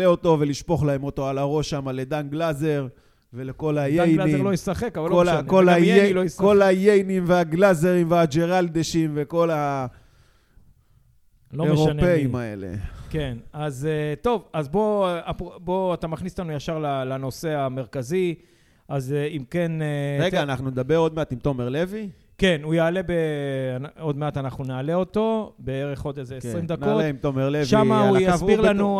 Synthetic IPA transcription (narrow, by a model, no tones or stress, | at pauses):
eo̞t̪o̞ve̞liʃpo̞χlahe̞mo̞t̪o̞alaʁo̞ʃːamale̞d̪anɡlaze̞ʁ | ve̞leko̞lajejnilojesaχekavalkːloolankolajelojsko̞lajejnimveaɡlazeʁimvead͡ʒe̞ʁald̪eʃimve̞ko̞la | loeʁopeimae̞̰le̞̰kenazt̪o̞vazbo̞apbo̞at̪amaχnislanujaʃaʁlalano̞se̞ame̞ʁkazi | ʔazeimke̞neʁeɡaːnaχnuned̪abeʁod̪̚meat̪imt̪omeʁlevi | ke̞nujaːle̞beano̞d̪me̞at̪anaχnunaːle̞o̞t̪o̞beeʁe̞χo̞d̪ezeesʁimd̪anoeimt̪omeʁlevʃamaujaazbiʁlanu